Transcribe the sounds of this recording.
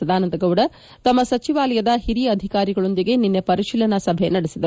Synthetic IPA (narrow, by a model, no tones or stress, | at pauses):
ɐd̪aːnɐnd̪ɐɡɐwɽɐ | t̪ɐmːɐsɐt͡ʃiʋaːlɐjɐd̪ɐhiɾijɐɐd̪ʱikaːɾiɡɐɭo̞nd̪iɡe̞ninːe̞pɐɾiʃiːlɐnɐsɐbʱe̞nɐɽesid̪ɐɾ